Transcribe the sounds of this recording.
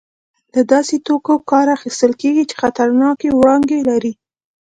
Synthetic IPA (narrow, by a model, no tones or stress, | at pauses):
lad̪ɑset̪okokɑɾaxist̪əlkeɡit͡ʃe̥xat̪aɾnɑkewɽɑŋɡelaɾi